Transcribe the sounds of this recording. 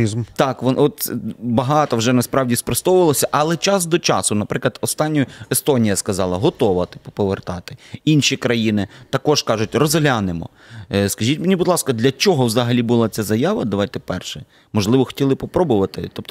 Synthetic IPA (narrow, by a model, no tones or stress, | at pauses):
izmt̪ɑkʋɔnɔt̪bɐɦɑt̪ɔwʒɛnɐspɾɑwdʲispɾɔst̪ɔwʊʋɐlˠɔsʲɐʔɐlˠɛt͡ʃɑsd̪ɔt͡ʃɑsʊnɐpɾɪklˠɐd̪ɔst̪ɑnʲːʊjʊest̪ɔnʲijɐskɐzɑlˠɐɦɔt̪ɔʋɐt̪ɪpɔ̥pɔʋert̪ɑt̪ɪ̥inʃikɾɐjinɪt̪ɐkɔʒkɑʒʊtʲrɔzɐlʲanɪmɔ̰ | skɐʒʲitʲmenʲibʊd̪lˠɑskɐd̪lʲɐt͡ʃɔɦɔwzɐɦɐlʲibʊlˠɑt͡sʲazɐjaʋɐd̪ɐʋɑjt̪ɛpɛrʃɛ | mɔʒlˠɪʋɔxɔ̥tʲilˠɪpɔpɾɔbʊʋɐt̪ɪ̰t̪ɔp̚t̪